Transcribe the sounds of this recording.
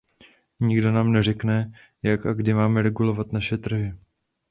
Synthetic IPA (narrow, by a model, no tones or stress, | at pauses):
ɲiɡdo̞naːmnɛrɛknɛ | jakaɡdɪmaːmɛɾɛɡulo̞vat̪naʃɛt̪r̩ɦɪ